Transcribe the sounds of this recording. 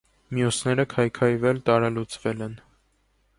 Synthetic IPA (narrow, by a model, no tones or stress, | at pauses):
mjusnɛɾəkʰɑjkʰɑjvɛlt̪ɑɾɑlut͡svɛlɛn